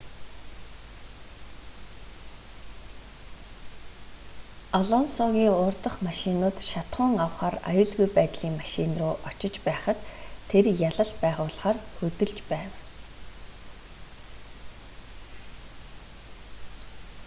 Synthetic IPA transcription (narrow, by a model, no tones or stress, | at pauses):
ɔɮɔnsɔɣʲiːŋʊːrt̪ə̆χmaʃinʊːt̪ʃat̪χʊ̆ːŋawχaːra̰jʊːɮɣujpæːt̪ɮiːŋmaʃinrʊːʔɔt͡ɕɪ̆t͡ɕpæːχə̆t̪ʰːerjaɮə̆ɮpæːʁʊːɮχaːrxɵt̪ɵ̆ɮt͡ɕpæːw